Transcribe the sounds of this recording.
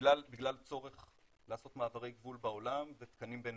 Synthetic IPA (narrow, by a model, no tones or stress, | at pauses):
lalbiɡlalt͡so̞ʁe̞χ | laːso̞t̪maːvaʁejɡvulbao̞lamvet̪kanimben